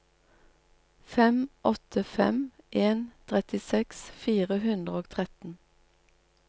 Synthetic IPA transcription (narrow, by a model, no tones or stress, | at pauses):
fɛmʔɔt̪ʰəfɛ̰mʔeːnt̪ʰʁɛt̪ɪsɛksfiːʁəhʉnd̪ʁəoːt̪ʰʁɛt̪n̩